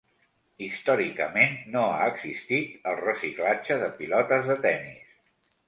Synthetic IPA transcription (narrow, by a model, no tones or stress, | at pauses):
ist̪ɔɾikəmenːoa̰əɡzist̪it̪əlˠrəsiklad͡ʒəðəpilɔt̪əzðət̪ɛnis